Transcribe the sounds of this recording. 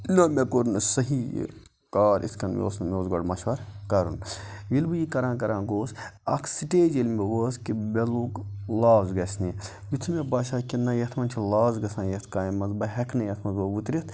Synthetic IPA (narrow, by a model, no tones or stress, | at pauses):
ilaːmekoɾunsɐɦḭː | kaːɾʔḭskɐnmʲo̰ːsnmʲoːzɡoɽmɐʃʋɐɾkɐɾṵnjilbɨjikɐɾãːnkɐɾãːnɡoːsɐ̰kʰsiʈeːd͡ʒelmʲeʋəːskibeluklaːzɡɐsʲni | jit̪ʰmebaːʃaːkinɐjɐt̪ʰmɐnt͡ʃʰilaːzɡɐsãːnjɐt̪ʰkaːjimɐzbɐɦɛkʰnɐjɐt̪ʰmɐnzoʋut̪ɾʲit̪ʰ